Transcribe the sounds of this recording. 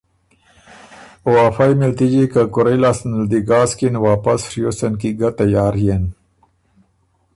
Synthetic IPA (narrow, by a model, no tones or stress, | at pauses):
oaːfajmilt̪id͡ʒikakʊɾelasnld̪iɡɑːskinwaːpasfɾijosɐnkiɡat̪ajaːɾjen